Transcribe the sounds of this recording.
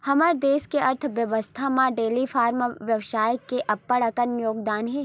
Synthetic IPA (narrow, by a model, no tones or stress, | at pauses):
hɐməɾd̪eːskeɐɾt̪ʰʋjɐʋəst̪ʰamãɖeːlifʰaːɾmʋjɐʋʃaːjəkːeʔɐpːəɽɐkənjoːɡd̪aːnɦɛː